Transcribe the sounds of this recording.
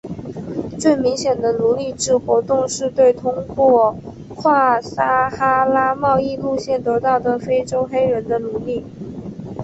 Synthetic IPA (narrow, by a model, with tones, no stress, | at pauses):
t͡swe˥˩ɪmi˧˥ŋɕjɛ˨˩nd̪ə˦lu˧˥li˥˧ʈ͡ʂɻ̩˥˩xwɔ˧˥t̪ʊ˥˧ŋʂɻ̩˥˧t̪we˥˩ɪt̪ʰʊ˥ŋkwɔ˥˩ | kʰwa˥˩sa˥xa˥la˥mɑ˥˧ʊi˥˧lu˥˧ɕjɛ˥˩nt̪ɤ˧˥t̪ɑ˥˩ʊd̪ə˩fe˥ɪʈ͡ʂo˥ʊxe˥ɪɻə˧˥nd̪ə˧lu˧˥li˥˩